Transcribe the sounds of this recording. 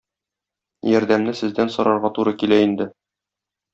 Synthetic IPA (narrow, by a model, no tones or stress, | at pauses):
jɒɾd̪æmnɘsɘ̆zd̪ænsɒ̆ɾɑɾʁɑt̪uɾɤkilæind̪ɘ